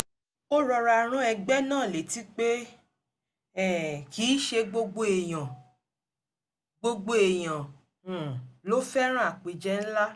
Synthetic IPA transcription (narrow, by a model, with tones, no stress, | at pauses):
o˦ɾɔ˧ɾa˧˨ɾ̃ũ˦ɛ˧ɡ͡bɛ˦nãː˦˨le˨ti˦k͡pe˦ | ɛ˨kiː˨˦ʃe˧ɡ͡bo˧ɡ͡bo˦e˨j̃ã˨ | ɡ͡bo˧ɡ͡bo˦e˨j̃ã˨ | lo˨˦fɛ˦ɾ̃ã˦a˦˨k͡pe˧d͡ʒɛ˦n̩˦la˦